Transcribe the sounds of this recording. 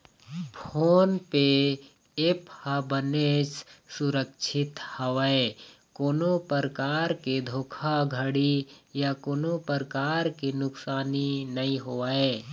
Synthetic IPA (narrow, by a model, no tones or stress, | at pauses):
pʰoːnpe | ephabəneːssʊɾəkʃʰɪt̪həʋe | koːnopəɾəkaːɾked̪ʱoːkʰaɡʱəɽijakoːnopəɾəkaːɾkinʊksaːninəĩɦoːae